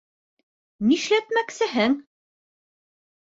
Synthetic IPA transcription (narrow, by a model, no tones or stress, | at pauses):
niʃlæt̪mæksɘɦɘŋ